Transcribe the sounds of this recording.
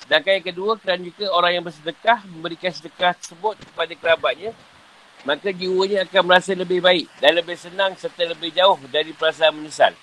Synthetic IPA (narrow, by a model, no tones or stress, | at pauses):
sdaŋkajaŋkəduakəɾand͡ʒuɡaoɾaŋjaŋbərsədəkahmə̃mbəɾikansədəkaht̪əsəbʊt̪̚kə̥padakəɾabaʔ̪̚ɲã | mãkad͡ʒiwəɲãakanməɾasaləbɪhbaɪk̚danləbɪhsənãŋsərt̪aləbɪhd͡ʒaʊhdaɾipəɾas̬aːnməɲəsa̰l